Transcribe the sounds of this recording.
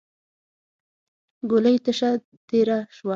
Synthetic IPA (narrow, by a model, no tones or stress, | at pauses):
ɡʊləjt̪əʃa | t̪eɾaʃwa